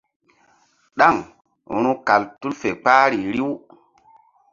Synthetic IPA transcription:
ɗa˦˨ŋ̰˦ | ɾu˦ka˨ltu˦lfe˨k͡paː˦ɾi˨ɾi˦w

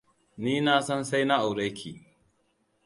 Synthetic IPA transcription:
niː˦naː˦sɔ˦nsa˦jna˦ʔa˨wɽɐ˦kʲʰiː˨

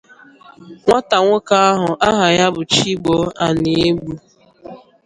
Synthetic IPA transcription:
ŋʷa˦ta˨ŋʷʊ˦ka˦a˦ɦʊ˨ʔa˦ɦa˨ja˦bʊ˨t͡ʃi˦ɡ͡bo˦a˨nɪ˨e˦ɡ͡bu˦

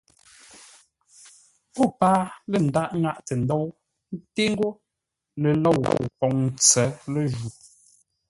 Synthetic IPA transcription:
po˦˨paː˦lə˨n̩˨da˦ʔŋa˦ʔtə˨n̩˦dɔ˦w | n̩˦te˦ŋ̩˦ɡo˦ | lə˨lɔ˦˨wwpɔ˨˦ŋn˦t͡sɛ˨˦lə˦˨ʒu˨

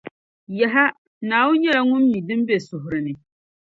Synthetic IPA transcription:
ja˨ɦa˦ | naː˨wʊ˦nɲɛ˦la˦˨ŋʊ˦mːi˨dɨ˦m˦be˨sʊ˨ɦʊ˨ɾɨ˨nɨ˨

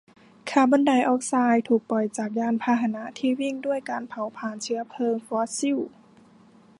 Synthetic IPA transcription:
kʰaː˧˩baː˧˥˦nda˨˩jʔɔː˧˩k̚saː˧jt̪ʰuː˨˩k̚pɔ˨˩jt͡ɕaː˨˩k̚jaː˧˥˩npʰaː˧ɦa˧˨na˧˥ʔt̪ʰiː˧wi˧˩˨ŋdu˥˩əjkaː˨npʰa˨˩˦wpʰaː˧˩nt͡ɕʰɯ˧˥ɐ˧pʰɤː˧˨ŋfɔː˧˥si˧˥˨w

